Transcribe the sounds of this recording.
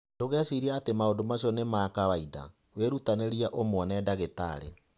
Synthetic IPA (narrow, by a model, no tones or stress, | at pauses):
doɣɛsiɾiaatemaondomaɕiɔnemaːkawaida̰ | weɾutaneɾiaʔomwɔnɛdaɣeta̰ɾḛ